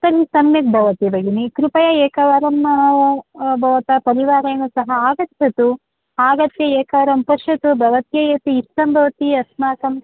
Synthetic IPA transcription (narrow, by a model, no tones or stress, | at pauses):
sɐɾisɐmjɐk̚bʱɐʋɐt̪ibɐɡinikɾupɐjɐeːkɐʋɐɾɐm | bʱɐʋɐt̪ɐpɐɾiʋaːɾɐjɐnusɐɦɐaːɡɐt̪jɐt̪u | aːɡɐt̪jɐeːkɐʋɐɾɐmpɐʂɐt̪ubʱɐʋɐt̪jɐjɐt̪iːst̪ɐmbʱɐʋɐt̪iɐsmaːkɐm